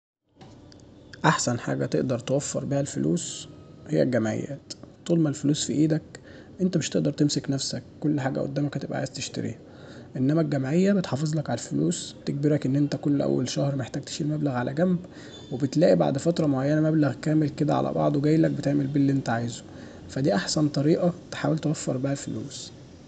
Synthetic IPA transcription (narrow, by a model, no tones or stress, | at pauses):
ʔaħsænħa̰ːɡæt̪eʔd̪ɑɾˤt̪ewæfːɑ̰ɾˤbiːhælfolṵːshejːæ̰ɡæmʕḛjːæ̰ːt̪t̪ːuːlmælfoluːsfiʔiːd̪æk | ʔent̪æmeʃt̪eʔd̪ɑɾˤt̪emseknæfsækːolːħaːɡæ̰ʔo̰d̪ːæːmækæt̪ebʔæ̰ʕa̰jzt̪eʃt̪æ̰ɾʔḭːhæ | ʔenːæmæɡːæmʕejːæbet̪ħɑfezˤlɑkʕalælfoluːsbt̪eɡ̚beɾækʔenːʔent̪ækolːʔæ̰wːæ̰lʃæhɾˤmæeħt̪æːɡ̚t̪e̥ʃilmæblæɣʕalʔæɡæmb | webet̪læːʔiba̰ʕd̪fæt̪ɾˤɑmoʕajːænæmæblæɣkæːmelked̪æʕa̰lʔæ̰bɑ̰ʕd̪ˤweɡæjːlæk̚bet̪eʕmelbilːiʔent̪æʕaːjzo̥ | fæd̪iːʔaħsænt̪ˤɑɾiːʔɑt̪e̥ħaːwelt̪ewæfːɑɾˤbahælfolṵːs